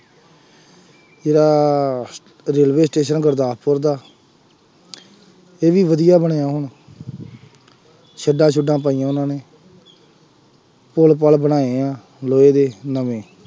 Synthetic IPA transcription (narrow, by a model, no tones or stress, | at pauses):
d͡ʒeːɽaː | ɾeːlʋeːsʈeːʃənɡəɾd̪aːpoɾd̪aː | eːʋiːʋəd̪ijaːbəɳejãːɦʊɳ | ʃəɖãːt͡ʃʰʊɖãːp̬aːiːãːʊnãːneː | polp̬əlbənaːeːãː | loːeːd̪eːnəʋẽː